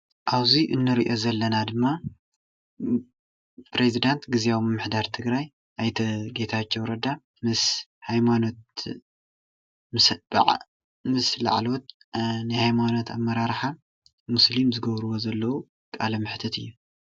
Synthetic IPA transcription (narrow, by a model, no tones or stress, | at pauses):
ʔaβziʔɨnːɨɾiʔo̞zɐlːɐnad̪ɨmːa | pʰɾezid̪ant̪ɡɨziawmɨmːɨħd̪aɾt̪ʰɨɡɾaj | ʔajt̪ʰɐɡe̞t̪ʰat͡ʃːɛwɾɐd̪a | mɨshajmano̞t̪̚ | mɨsb̰ʕ | mɨsla̰ʕlo̞t̪̚ | nɨhajmano̞t̪ʰa̰mːɐɾaɾħa | muslimzɨɡɐβɾɨwo̞zɐlːɐwu | kʼa̰lɐmɨħt̪ʰɐt̪ɨjːu